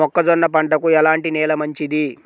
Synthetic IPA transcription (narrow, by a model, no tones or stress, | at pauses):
ɔkːɐd͡ʒ̪ɔnːɐpɐɳɖɐkuɛlaːɳʈinɛːlɐmɐɲt͡ʃid̪i